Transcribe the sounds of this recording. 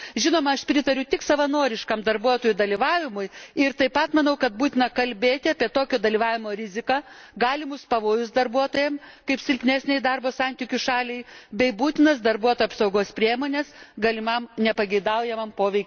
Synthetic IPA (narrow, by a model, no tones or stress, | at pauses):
ʒʲɪnoːmɐɐʃpʲɾʲɪt̪ɐɾʲʊt̪ʲɪksɐʋɐnoːɾʲɪʃkɐmd̪ɐrbuɔt̪oːjud̪ɐlʲiʋɑːʋʲɪmʊjɪɾt̪ɐɪpɐt̪mɐnɐʊkɐt̪̚buːt̪ʲɪnɐkɐlʲbʲeːt̪ʲɪɑːpʲiɛt̪oːkʲoːd̪ɐlʲiʋɑːʋʲɪmoːɾʲɪzʲɪkɑː | ɡɑːlʲɪmʊspɐʋoːjʊsd̪ɐrbuɔt̪oːjɛmkɐɪpsʲɪlʲkʲnʲæːsʲnʲɛɪd̪ɑrboːsɐnʲt̪ʲikʲʊʃɑːlʲɛɪbʲɛɪbuːt̪ʲɪnɐsd̪ɐɾbuɔt̪oːjːɐpsɐʊɡoːspʲɾʲiɛmoːnʲɛsɡɐlʲɪmɐmnʲɛpɐɡʲɛɪd̪ɐʊjɛmɐmpoːʋʲɛɪkʲ